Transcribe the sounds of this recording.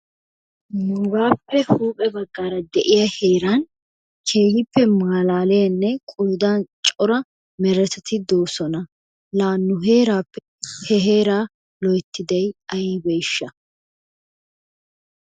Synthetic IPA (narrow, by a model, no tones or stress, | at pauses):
nʊɡaːpːɛhuːpʼɛbɐɡːaːɾɐd̪ɛʔɪjɐheːɾan | kʰeːɡɪpːɛmaːlaːlɛjɐnːɛkʼʊlʊd̪aːnt͡ʃʼɔɾɐ | mɛɾɛt̪ɛt̪ʰɪd̪o̞ːsɔnɐ | laːnːʊɦe̞ːɾaːpːɛ | hɛɦe̞ːɾaː | lɔjt̪ːɪd̪ɛjɐjiːbɛjʃːɐ